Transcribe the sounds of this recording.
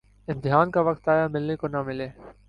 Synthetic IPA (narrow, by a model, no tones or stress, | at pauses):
ɪ̃nt̪ɪɦaːnkaʋɐkt̪aːjamɪlnekonamɪleː